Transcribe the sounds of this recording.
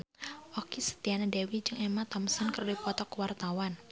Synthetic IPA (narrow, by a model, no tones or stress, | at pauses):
ʔɔkisə̥t̪ianadewid͡ʒɨŋɛmat̪ɔmsɔnkərdipɔt̪ɔkwart̪awan